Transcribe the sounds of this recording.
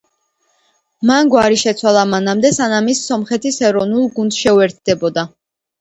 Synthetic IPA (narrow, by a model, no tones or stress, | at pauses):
manɡwaɾiʃɛt̪sʰwalˠamanamd̪ɛsanamisːɔmχɛt̪ʰisɛɾɔvnulˠɡund̪ʃɛuɛɾt̪̚ʰd̪̥ɛbɔd̪a